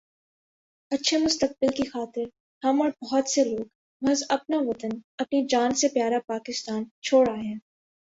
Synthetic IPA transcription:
ɐtːʃʰemʊst̪ək̚bɪlkixaːt̪ɪɾ | hɐmɔːɾbɔɦɔt̪seloːɡ | bɐzɐp̚naʋɐt̪ənɐpnid͡ʒaːnsepjaːɾapaːkɪst̪aːnt͡ʃʰoːɽaːɦɛ̃ː

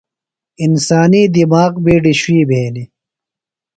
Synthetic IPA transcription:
insaːniːd̪imaːqbiːɖiɕuwiːbʱeːni

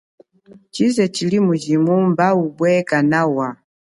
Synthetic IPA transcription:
t͡ʃizɛt͡ʃilimud͡ʒimumbaubwɛkanawa

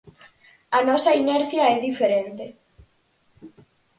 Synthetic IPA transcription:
ɐnɔsɐinɛɾθjaɛðifeɾent̪e

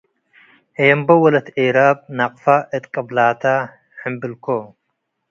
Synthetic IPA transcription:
ejɐmbɐwɐlɐt̪ʰeɾaːb̚naqʼfaʔət̪qʼɐblaːt̪ʰa | ħɨmbɨlkʰo

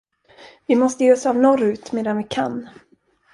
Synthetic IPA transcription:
vɪmɔst̪əjeːɔsavnɔɾʉ̟ːt̪meːd̪anvɪkʰan

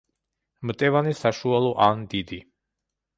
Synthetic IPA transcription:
mt̪ʼɛvanisaʃualˠɔʔand̪id̪i

